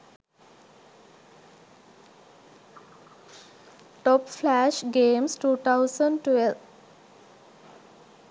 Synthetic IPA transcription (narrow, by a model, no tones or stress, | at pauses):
ʈɔpflæʃɡẽːmsʈuːt̪ʰaʊsə̃ɳɖʈʋelʋ